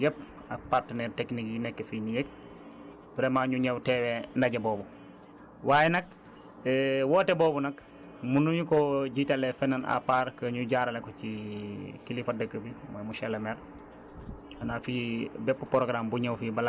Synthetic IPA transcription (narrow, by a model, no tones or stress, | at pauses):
jɛp̚ | apartənɛɾteknikjinɛkːefinijek̚ | bɾemaɲuɲɛwtɛwendɐɟeboːbu | waːjɛnɐk̚ː | wɔːtɛboːbunɐk | munuɲukoɟitalefɛnana̰paːɾkəɲuɟaːɾalekot͡ʃikilifadəkːəbimojmuʃɛlemɛɾ | anafibɛpːupɾoɡɾambuɲewfibɐla